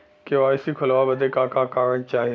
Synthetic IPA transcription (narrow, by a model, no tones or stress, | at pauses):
keʋaːɪsikʰʊlʋabɐd̪ʱekãːkãːkaːʋəɽ̃t͡ɕaːɦi